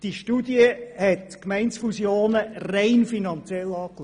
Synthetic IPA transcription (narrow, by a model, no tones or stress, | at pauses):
d̥iʃtudjəhɛtkmɛɪntsfusjoːnərɛɪnfinɑnt͡sjɛlɑːkl